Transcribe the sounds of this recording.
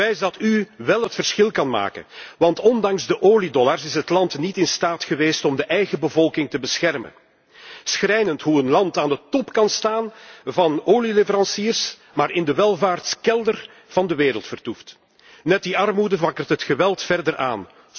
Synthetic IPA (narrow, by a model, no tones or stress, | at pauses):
ɛjzdɑtyʋɛlˠɦətfərsxɪlˠkɑnma̰ːkə̰nʋɑntɔndɑŋzdəʔoːlidɔlarsɪsɦətlɑntnitɪnstaːtxəʋeːstɔmdəʔɛjɣəbəvɔlˠkɪŋtəbəsxɛrmə̰ | sxɾɛjnəntɦuənlɑntaːndətɔpkɑnstaːnvɑnoːlilɪvəɾɑnsiːrs | maːɾɪndəʋɛlˠvaːrtskɛlˠdər | v̥ɑndəʋeːɾəlˠtfərtuft | nɛt̚diɑrmudəvɑkərtɦətxəʋɛlˠtfɛrdəɾʔa̰ːn